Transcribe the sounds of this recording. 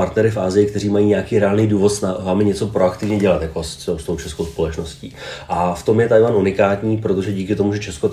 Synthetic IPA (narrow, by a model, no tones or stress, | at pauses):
aɾt̪nɛɾɪfaːzɪjɪk̚t̪ɛriːmajiːɲɛjakiːɾɛaːlnijduːvo̞t̪snavaːmɪɲɛt͡so̞pɾoakt̪ɪvɲɛɟɛlat̪jako̞sost̪o̞wt͡ʃɛsko̞wspo̞lɛt͡ʃno̞sciːʔaft̪o̞mjɛt̪ajlanunɪkaːt̪ɲiːpɾo̞t̪o̞ʒɛɟiːkɪt̪o̞muʒɛt͡ʃɛsko